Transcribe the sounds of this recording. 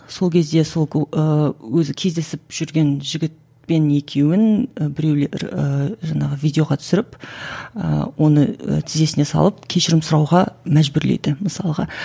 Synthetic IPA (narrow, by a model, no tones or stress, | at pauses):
so̞lˠkʲʰe̞zd̪e̞so̞lˠʲəwɵzɪkʲʰe̞zd̪e̞sɪp̚ʒ̥ʏɾɡʲe̞nʒɪɡʲɪt̪̚ | pe̞ne̞kʲʰe̞wɪnəbɪɾe̞wleəʒɑɴɑʁəvʲijd̪ʲe̞o̞ʁɑt̪ʰʏ̥sɪɾɪpə̰wo̞nəə̰t̪ʰɪze̞sɪne̞sɑ̰lˠəp̚kʲʰe̞ʃɪɾɪmsʊɾɑwʁɑmæʒbʏɾlḛjd̪ɪməsɑ̰lˠəʁɑ̰